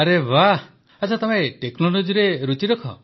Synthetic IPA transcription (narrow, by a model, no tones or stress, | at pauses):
aɾeba | at͡ʃʰat̪ɔmeʈeknolod͡ʒiɾeɾut͡ʃiɾɔkʰɔ̰